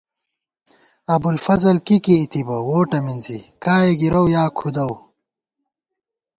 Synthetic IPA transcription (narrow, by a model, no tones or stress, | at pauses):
ɐbulfɐzɐlkikiːt̪ibɐwoːʈɐminzḭkaːeɡiɾɐwjaːkʰud̪ɐw